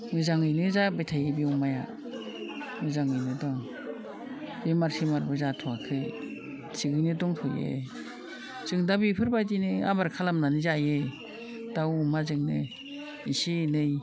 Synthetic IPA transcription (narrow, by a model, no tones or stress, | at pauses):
ŋɯzaŋɯjnɯzabajtʰajebiumaja̰ | ŋɯzaŋɯjnɯdɔŋ | b̥imaɾsʰimaɾbɯzatʰɔakʰɯ | sʰiɡɯjnɯdɔŋtʰɔjḛ | z̥ɯŋdabipʰɯɾbajdinɯa̰baɾkʰalamnanizaje | d̥awumazɯŋnɯ | isinɯj